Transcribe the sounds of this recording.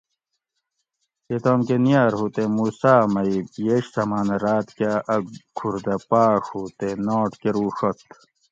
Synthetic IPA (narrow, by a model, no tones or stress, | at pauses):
et̪oːmkenijaːɾɦuːt̪emusaːmɐibjeɕsɐmaːnɐɾaːt̪kaʔɐkʰuɾd̪ɐpaːkhuːt̪enoːʈkeɾuːɕot̪